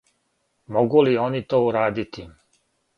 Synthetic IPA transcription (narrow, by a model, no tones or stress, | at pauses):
moɡulio̞nit̪oːuɾaːd̪it̪i